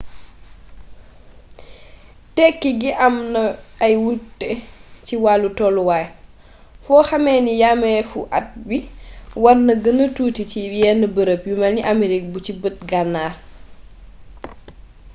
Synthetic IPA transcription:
tɛkːiɡiʔamnɐːjwutːɛciwalːutɔlwaj | fɔːxamɛnijamɛfuʔa̰t̚biwaɾnɐɡənɐtuːticijɛnəbəɾəpjumaniʔamiɾik̚but͡ʃibət̚ɡanːaː

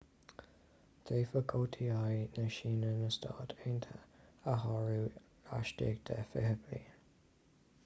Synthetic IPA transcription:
d̪̥ʰeːfəɡʰoːtʰiajnəʃiːnənəstʰɑ̰ːtʰeːntʰə̰əɦɔɹu | a̰ʃtḛːɡ̚d̪ʰəfɪhəblḭ

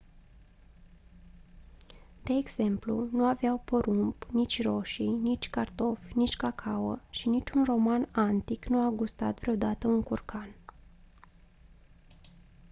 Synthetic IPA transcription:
d̪̥e̞ːɡz̥e̞mplṵnuaveawpəɾumpnit͡ʃʲro̞ʃinit͡ʃʲkart̪o̞fʲnit͡ʃʲkakʰawə̰ʃinit͡ʃʲunro̞manant̪iknuaɡust̪a̰t̪vɾeo̞d̪at̪əuŋkurkʰan

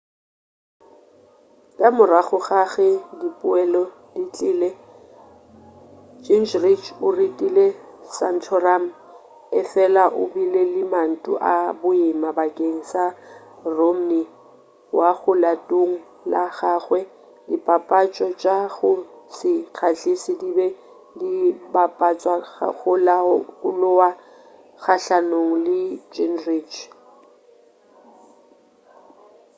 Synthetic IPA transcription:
kʼamʊraɣʊɣaɣɛdipʼʊɛlɔ | dit͡ɬʼɪːle | d͡ʒind͡ʒrit͡ʃʰʊritʼilesan̩tʰɔram̩ | ɪfɛlaʔʊbilelɪman̩tʼʊ̰ʔabʊimabakʼeŋ̩sa | rom̩ni | waɣʊlatʼoŋ̩ | laɣaːɣwɛ | lɪpʼapʼat͡ʃʼɔt͡ʃʼaɣʊsɪk͡xʰaɬɪsɪdibɛ | lɪbapʼat͡ʃʼwa̰ɣʊlaʊlʊwa | ɣaɬanoŋ̩lɪd͡ʒɛnrit͡ʃʰ

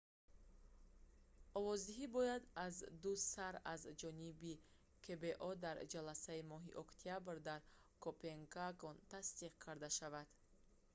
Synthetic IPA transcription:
ɔvɔzd̪iɦibɔjad̪azd̪usaɾazd͡ʒɔnibi | kʰebe̞ʔɔd̪aɾd͡ʒalasaimɔɦḭʔɔkt̪ʰijabɾd̪aɾ | kʰopeŋkaɡont̪ʰast̪iqkʰaɾd̪aʃavad̪̥

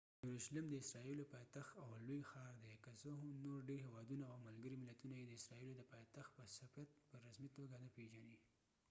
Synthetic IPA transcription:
juɾuʃalɪmd̪əɪsɾɑilopɑjt̪axt̪awlojxɑɾd̪ekasoɦnoɾɖeɾɦewɑd̪unaawmalɡəɾimɪlat̪unajed̪əɪsɾɑilod̪əpɑjt̪axt̪̚pəsafat̪̚pəɾasmit̪oɡad̪apeʒani

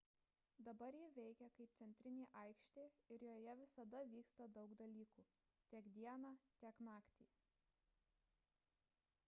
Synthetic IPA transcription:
d̪ɐbɐɾjɪʋʲɛɪkʲɛkɐɪp̚t̪sʲɛnʲt̪ʲɾʲɪnʲeːʔɐˑɪkʃʲt̪ʲeːɪɾjoːjɛʋʲɪsɐd̪ɐʋʲiːkst̪ɐd̪ɒʊɡd̪ɐlʲiːkuː | t̪ʲiɛkd̪ʲiɛnɑːt̪ʲiɛknɑːkt̪ʲiː

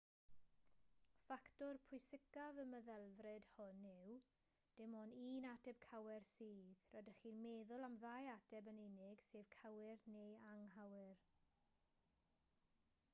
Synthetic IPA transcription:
faktɔrpʰʊjsɪkavəməðɛlˠvrɨd̥hʊnːɪw | d̥ɪmɔniːnadɛb̥̚kʰawɛrsiːðrɔdəχiːnmeːðʊlˠamðajadɛbənɪnɪɡ̥seːv̥kʰawɪrnejaŋɦawɪr

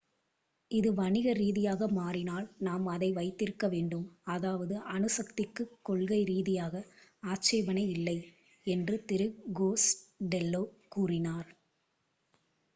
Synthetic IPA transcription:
ɪðɯʋɐnɪɣɐɾiːðɪjaːɣɐmaːrɪnaːlnaːmɐðɐɪʋɐɪt̪ːɪɾɯkːɐʋeːɳɖɯmɐðaːʋɐðɯʔɐnɯsɐkt̪ɪkːɯkːɔɭɣɐɪɾiːðɪjaːɣɐaːt͡ʃɐːʋɐnɐɪɪlːɐɪ | ɛndrɯt̪ɪɾɯɡoːsɖɛlːoːkuːrɪnaːɾ

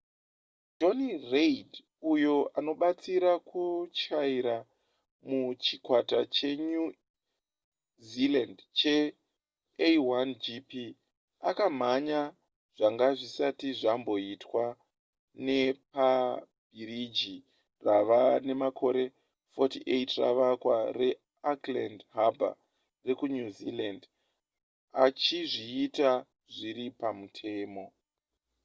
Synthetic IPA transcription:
do̞nired | ujo̞ano̞ɓat͡siɾakut͡ʃaiɾa | mut͡ʃikwatat͡ʃe̞ɲu | zilandt͡ʃe̞ | eiwand͡ʒipi | a̰kam̤aɲa | ʐ̥aŋɡaʐisatiʐambo̞itwa | ne̞pa | b̥ʱiɾid͡ʒi | raʋane̞makʰo̞ɾe̞ | fotiʔḛjtra̰ʋakware̞ | aklandɦabʱa̰ | re̞kuɲuzḭland | at͡ʃiʐiːta | ʐiɾipamutʰe̞ːmo̞

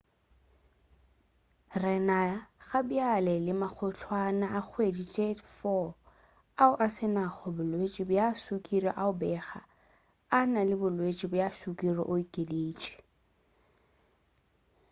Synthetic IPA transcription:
rɪnaɣabialɛlɪmak͡xʰʊɬʰwanaak͡xʰwedit͡ʃʼefɔ | aʊʔasɪnaχɔbʊlwet͡ʃʼibʊjasukʼirɔʔaʊbɛχa | analɪbʊlwet͡ʃʼibʊjaʃukʼirɔ̰ʔʊikʼeleːt͡ʃʼi̥

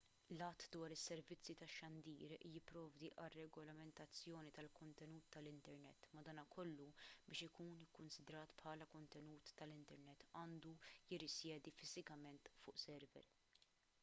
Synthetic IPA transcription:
lɐt̪ːd̪wɐːɾɪsːɛɾvɪt͡sːjit̪ɐʃːɐnd̪iːɾjɪpːɾɔːvd̪iʔɐrːɛɡɔlɐmɛnt̪ɐt͡sːjɔːnit̪ɐlkɔnt̪ɛnuːt̪ːɐlɪnt̪ɛɾnɛ̰t̪ːmɐd̪ɐːnɐkʰɔlːubɪːʃɪkuːnɪkːʊnsɪd̪ɾɐːt̪pħɐːlɐkɔnt̪ɛnuːt̪ːɐlɪnt̪ɛɾnɛt̪ːɐːnd̪ujɪrːɪsjɛːd̪ifɪzɪkɐmɛnt̪fʊːʔsɛɾvɛ̰ɾ

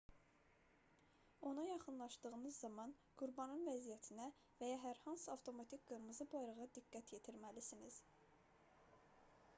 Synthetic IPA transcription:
o̞nɑjɑχɯnlˠɑʃd̪ɯɣɯnɯzːɑmɑn | ɡ̥uɾbɑnɯnvæzijæt̪ʰinæ | væjɑɦæɾhɑnsɯɑft̪ʰo̞mɑt̪ʰikɡ̥ɯɾɯmɯzɯbɑjɾɑʁɑd̪iɡːæt̪ʰje̞t̪ʰiɾmælisiniz̥

